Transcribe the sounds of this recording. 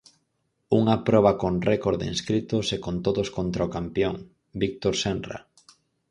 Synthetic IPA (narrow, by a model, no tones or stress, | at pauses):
uŋapɾɔβ̞ɐkonrɛkoɾðɪ̰ḭŋskɾit̪ʊsekont̪oðoskont̪ɾaokampjoŋ | bik̚t̪oɾsɛnra̰